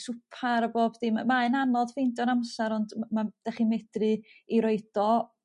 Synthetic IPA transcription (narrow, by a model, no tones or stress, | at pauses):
sʊpʰaɾəboːbdiːmamaɨnanɔðfejndɔnamsaɾɔndmad̥ɛχimɛd̥rɨiɾoɨd̥ɔ